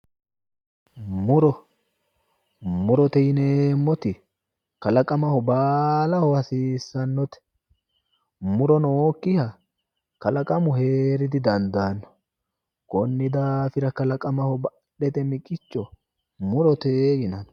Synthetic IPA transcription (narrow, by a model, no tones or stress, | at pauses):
mʊɾɔ | mʊɾɔt̪ɛjɪnemːɔt̪ɪ | kɐlɐkʼɐmɐhɔbaːlɐhɔɐsiːsːɐnːɔt̪ɛ̥ | mʊɾɔnoːkːɪhɐ | kɐlɐkʼɐmʊheːɾɪd̪ɪd̪ɐnd̪aːnːɔ̥ | kɔnːɪd̪aːfɪɾɐkɐlɐkʼɐmɐhɔbɐ | ɗɛt̪ɛmɪkʼɪt͡ʃːɔ | mʊɾɔt̪eːjɪnɐn